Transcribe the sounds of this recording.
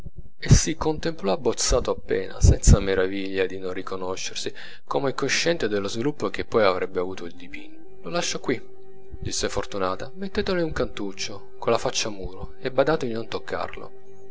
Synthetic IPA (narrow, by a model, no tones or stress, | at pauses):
esːikont̪emplɔabːot̪sːaːt̪oapːɛ̰ːna̰sɛnt̪sameɾaviʎːad̪inonrikonoʃːersi | komeɛkːoʃːɛnt̪ed̪elːozvilupːok̟epːɔjavɾɛbːeavuːt̪oild̪ipiɲːololaʃːakwi | d̪isːefort̪unaːt̪amet̪ːet̪eleuŋkant̪ut͡ʃːo | kolːafat͡ʃːamuːɾo | ebːad̪aːt̪od̪inont̪okʰːa̰rlo̰